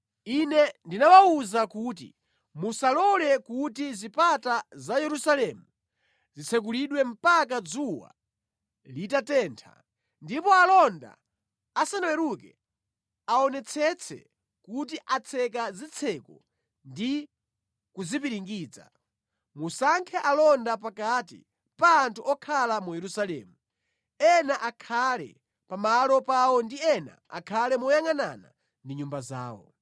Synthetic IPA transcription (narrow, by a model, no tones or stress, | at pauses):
inɛndinawauzakuːtḭ | musalɔlɛkutizipatazajɛɾusalɛmu | zit͡sʰɛk̬uliɗwɛm̩pak̬ad͡zuwa̰ | litatɛːntʰa̰ | ndipɔalɔnda̰ | asanawɛɾukɛ | aɔnɛt͡sʰɛt͡sʰɛ̰ | kut̬iʔat͡sʰɛk̬azit͡sʰɛkɔ | ndi | kuzip̬iɾiŋɡiːd͡za̰ | musaŋkʰɛʔalɔndapakatḭ | paːntʰuɔkʰalamujɛɾusalɛ̰ːmu | ɛnaʔakʰalɛ̰ | pamalɔpawɔndiɛna̰a̰kʰalɛmɔjaŋanana̰ | ndiɲumbaza̰ːwɔ̰